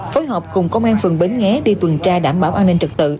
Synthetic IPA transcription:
foː˨˦jɦɔː˨˩p̚kʊ˨˩ŋ͡mkə˧wŋ͡mʔaː˧nfɨ˨˩ŋɓi˨˩nŋɛ˨˦ɗi˧t̪wə˨˩nt͡ɕaː˧ɗaː˧˩mɓaː˧˩wʔaː˧nːi˧ŋ̟t͡ɕɨ˨˩k̚t̪ɨ̰˧˨

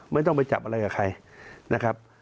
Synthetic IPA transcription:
ma˥˩jt̪ɔ˥˩ŋpa˧jt͡ɕa̰˨˩p̚ʔa˧ɾa˧jkaː˨˩kʰa˧jnʔa˦˥kʰɾa˦˥p̚

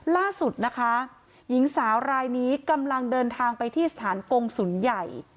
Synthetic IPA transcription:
laː˥˩su˨˩t̪̚na˦˥kʰa˦˥ | ji˩˦ŋsaː˩˦wɾaː˧jniː˦˥ka˧mla˧ŋdɤː˧nt̪ʰaː˧ŋpa˧jt̪ʰiː˥˩sḁ˧˩t̪ʰaː˩˦nko˧ŋsu˨˩˦nja˨˩j

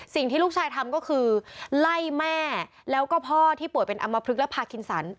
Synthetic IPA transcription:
si˨˩ŋt̪ʰiː˥˩luː˥˩k̚t͡ɕʰaː˧jt̪ʰa˧mkɔː˥˩kʰɯː˧la˥˩jmɛː˥˩ | lɛː˦˥wkɔː˥˩pʰɔː˥˩t̪ʰiː˥˩pu˨˩əjpe˧nʔa̰˧mːa˧pʰɾɯ˦˥k̚lɛ˦˥pʰaː˧kʰi˧nsa˩˦n

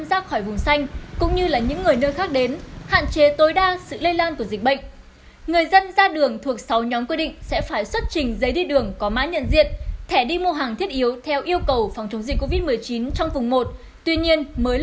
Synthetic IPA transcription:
a˧mzaː˦˥t̚xɔ˧˩jvʊ˨˩ŋ͡msa˧jŋ̟kʊ̰˧˥ŋ͡mɲɨ˧laː˨˩ɲɨ̰˧˥ŋːɨ˨˩əjnəː˧jxaː˦˥k̚ɗe˨˦nha̰ː˧˨nt͡ɕe˨˦t̪o˨˦jɗaː˧sɨ̰˧˨lə˧jlaː˧nku˧˩əzi˨˩k̚ɓə̰˧˨ŋ̟ | ŋɨ˨˩əjzə˧nzaː˧ɗɨ˨˩əŋt̪ʰu˨˩ək̚sa˨˦wɲɔ˨˦mkwi˧ɗḭ̈˧˨ŋ̟sɛ̰˧˥faː˧˩jswə˦˥t̚t͡ɕï˨˩ŋ̟zə˨˦jɗi˧ɗɨ˨˩əŋkɔ˨˦ma̰ː˧˦ɲə̰˧˨nzḭ˧˨ənt̪ʰɛ˧˩ɗi˧m˧ɦaː˨˩ŋt̪ʰi˦˥ət̚ʔi˨˦əwt̪ʰɛ˧wʔi˧əwkə˨˩wfa˨˩wŋ͡mt͡ɕə˨˦wŋ͡mzï˨˩k̟kːo˧vi˦˥t̚mɨ˨˩əjt͡ɕi˨˦nt͡ɕɔ˧wŋ͡mvʊ˨˩ŋ͡mmo˨˩t̚ | t̪wi˧ɲi˧ənməː˨˦j

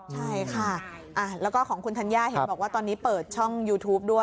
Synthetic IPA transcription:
t͡ɕʰa˥˩jkʰa˥˩ | ʔa˧˩lɛː˦˥wkɔː˥˩kʰɔː˩˦ŋkʰu˧nt̪ʰa˦˥njaː˥˩he˩˨˦bɔː˨˩k̚waː˥˩t̪ɔː˧nːiː˦˥pɤː˨˩t̪̚t͡ɕʰɔ˥˩ŋjuː˧t̪ʰuː˦˥p̚du˥˩ə

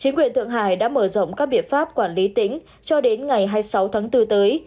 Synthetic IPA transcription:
t͡ɕï˨˦ŋkwi˨˩ənt̪ʰɨ̰˧˨əŋɦa̰ː˧˩jɗa̰ː˧˥məː˧˩zə̰˧˨wŋ͡mkaː˦˥k̚ɓḭ˧˨ənfaː˦˥p̚kwaː˧˩nli˨˦t̪ï˧˥ŋ̟ | t͡ɕɔ˧ɗe˨˦nŋa˨˩jɦaː˧jsa˨˦wt̪ʰaː˨˦ŋt̪ɨ˧t̪əː˨˦j

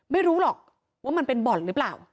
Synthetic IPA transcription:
ma˥˩jɾuː˦˥lɔː˨˩k̚ | waː˥˩ma˧npe˧nbɔ˨˩t̚ɾɯː˦˥plaː˨˩w

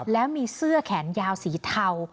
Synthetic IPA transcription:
lɛː˦˥wmiː˧sɯ˥˩əkʰɛː˩˦njaː˧wsiː˩˦t̪ʰa˧w

